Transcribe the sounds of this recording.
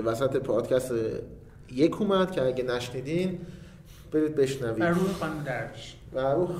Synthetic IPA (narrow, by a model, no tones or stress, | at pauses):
væsæt̪ʰepʰɒːd̪̥cʰæst̪e | je̞kʰuːmæd̪̥cʰeæɟenæʃniːd̪in | b̥e̞ɾiːd̪̚be̞ʃnæviːæuːhexɒːnumd̪æɾbiʃ | væɾuː